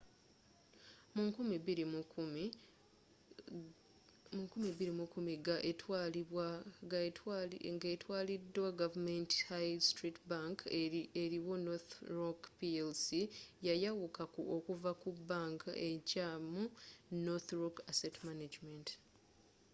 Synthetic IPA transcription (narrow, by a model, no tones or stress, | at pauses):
mukumiiɾi | mukumeβiɾimukumiɡaw | ŋɡetwaːlidːwaɡavume̞nti̥hajstɾitbaŋkeɾiwo̞noθɾokpielsijajawukakuo̞kuvakubːaŋka̰ʔe̞caːmunoθɾokasetmanad͡ʒment